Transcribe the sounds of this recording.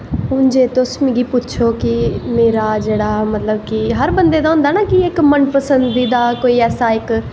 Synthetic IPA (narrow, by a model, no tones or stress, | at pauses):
ɦʊnd͡ʒeːt̪ʊsmĩɡiːpʊtːt͡ʃʰoːkɪmeːɾaːd͡ʒeːɽaːmət̪ləbkɪɦəɾbənd̪eːd̪aːɦʊ̃ːnd̪aːnaːkɪɪkmənpəsənd̪iːd̪aːkoːiːɛːsaːɪk